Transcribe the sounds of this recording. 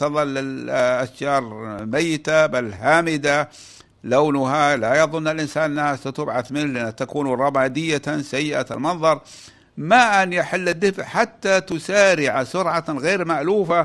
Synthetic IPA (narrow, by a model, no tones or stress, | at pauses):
ɑðˤɑlːɪlʔaʃjɑːɾˤmajːɪt̪abalɦaːmɪd̪a | loːnʊɦalajɑðˤʊnːalʔɪnsaːnʔɪnːahasat̪ʊbʕaθmɪnlɪʔanːat̪akuːnuɾˤɑbaːd̪ɪjːasajːɪʔa̰lmɑnðˤɑɾˤ | maʔanjɪħɪlːɪd̪ːɪfʕħat̪ːat̪ʊsaːɾɪʕasʊɾʕaɣeːɾmaʔluːfa